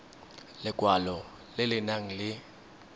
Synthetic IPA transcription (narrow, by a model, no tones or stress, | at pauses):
lɪkʼwalɔ | lɪlɪnaŋ̩lɪ